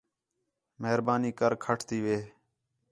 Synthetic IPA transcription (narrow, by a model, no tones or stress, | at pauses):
məɦɾbaːniːkəɾkʰəʈʰt̪iːʋeː